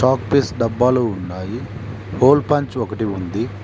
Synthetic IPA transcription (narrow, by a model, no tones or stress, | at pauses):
ʈaːkpisɖɐbːaːluːunːaːji | hoːlpɐɲt͡ʃɔkɐʈiund̪i